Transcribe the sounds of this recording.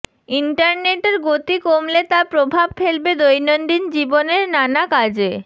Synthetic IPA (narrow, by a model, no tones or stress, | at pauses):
iɳʈaɾneʈeɾɡot̪ikomlet̪apɾobʱabfʰelbed̪ojnonɖ̪ind͡ʑiboneɾnanakad͡ʑe